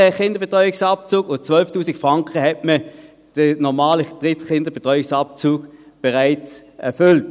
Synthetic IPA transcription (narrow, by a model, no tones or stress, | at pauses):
əχɪndɐb̥etʁɔʏɪksɑp̚t͡suːɡʊnt͡sʋœlftuːsɪkfʁɑŋkχəhɛtmə | d̥ənɔmaːləd̥ʁɪtχɪndəb̥etʁɔʏɪksɑp̚t͡suːɡb̥ɛʁaɪt͡sɛɐfʏlt